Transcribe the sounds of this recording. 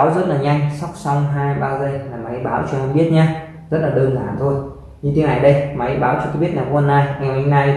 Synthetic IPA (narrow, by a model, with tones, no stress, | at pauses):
a˨˦wzə˦˥t̚laː˨˩ɲa˧jŋ̟sa˦˥wk͡p̚sɔ˧wŋ͡mɦaː˧jɓaː˧wzə˧jlaː˨˩ma˨˦jɓaː˨˦wt͡ɕɔ˧ŋa˧nɓi˦˥ət̚ɲaː˨˧˦ | zə˦˥t̚laː˨˩ɗəː˧ŋzaː˧˩˨nt̪ʰo˧j | ɲɨ˧t̪ʰi˨˦na˨˩jɗə˧jma˨˦jɓaː˨˦wt͡ɕɔ˧k̪a˧˦ɓi˦˥ət̚naː˨˩kɔ˧ə˧nːaː˧jŋa˨˩ma˨˧˦na˧j